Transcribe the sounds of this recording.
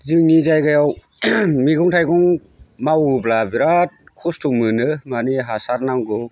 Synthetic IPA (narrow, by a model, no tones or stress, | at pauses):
zɯŋnizajɡajaw | miɡuŋtʰajɡɔŋmawblabiɾat̚kʰustʰuŋmɯnɯmaniɦasaɾnaŋɡɯw